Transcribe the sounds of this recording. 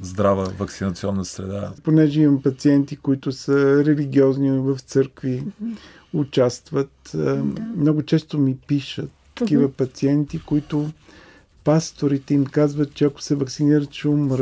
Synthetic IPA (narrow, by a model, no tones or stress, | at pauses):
zd̪ɾavəvɐksinɐt̪siɔnːəsɾɛ̰d̪aponɛʒɛimɐmpɐt̪siɛnt̪ikoit̪ʊsəɾɛliɡiɔznivəft̪sɤɾkvi | ʊt͡ʃast̪vət̪ | mnɔɡʊt͡ʃɛst̪omipiʃət̪ːɐkkivəpɐt̪siɛnt̪ikoit̪ʊ | past̪oɾit̪ɛimkazvət̪̚t͡ʃɛɐkʊ̥sɛvɐksiniɾət̪ʃumɾ